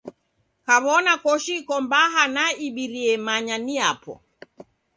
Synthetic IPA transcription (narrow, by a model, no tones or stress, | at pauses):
kaβɔnakɔʃikɔmbaɦanaiɓiɾiɛmaɲaniapɔ̰